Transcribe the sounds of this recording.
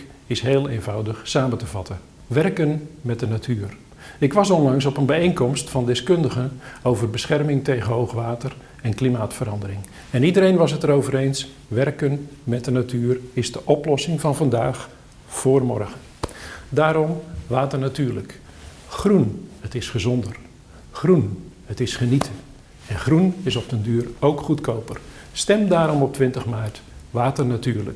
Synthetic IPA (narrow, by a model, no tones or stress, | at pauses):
ɪsɦeːlˠeːnvawdəxsaːməntəvɑtə | ʋɛrkənmɛt̚dənatʰyːr | ɪkʋɑsɔnlɑŋs̬ɔpənbɛejnkɔmstfɑndɪskɵndəɣənowvərbəsχɛrmɪŋtejɣənɦowxʋaːtər | ɛnklimaːtfəɾɑndəɾɪŋ | ɛnidəɾejnʋɑs̬ətəɾowvəɾejns | ʋɛrkənmɛt̚dənatʰyːərɪzdəʔɔplɔsɪŋvɑnvɑndaːχ | foːrmɔrɣəndaːɾɔmʋaːtərnatyːrlə̰k | χrunətɪsχəzɔndər | χrunhətɪsχənitʰə | ɛnχrunɪsɔp̚təndyːrowkχutkowpər | stɛmdaːɾɔmɔp̚tʋɪntəχmaːrtʋaːtərnatyːrlə̰k